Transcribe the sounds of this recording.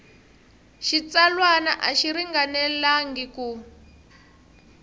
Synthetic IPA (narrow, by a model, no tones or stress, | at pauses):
ʃit͡salwanaʔaʃiɾiŋɡanɛlaŋɡiku